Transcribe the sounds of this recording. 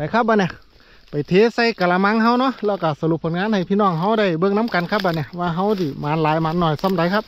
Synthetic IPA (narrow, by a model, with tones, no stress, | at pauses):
pa˨˩jkʰa˧p̚baː˧nɛ˧˩˨ | pa˨˩jt̪ʰeː˧˥sa˧˩jkaː˧˨la˧ma˧˥ŋɦa˧˨wnɔ˧˥˨lɛː˧˨wka˧˩sa˧lu˧˦p̚ʰːo˧˦nŋaː˧˥˨nha˨˩jpʰiː˧˨nɔː˧˩˨ŋɦa˧˥˨wda˧˩jbɤ˧˨ŋna˧˥˨mka˨nkʰa˧˥p̚ba˧nɛ˧˩waː˧ɦa˧˥˩wdiː˧˩maː˨˦nlaː˨˦jmaː˨˧˦nːɔː˧˩jsa˧˩˨mda˨˦jkʰa˧˥p̚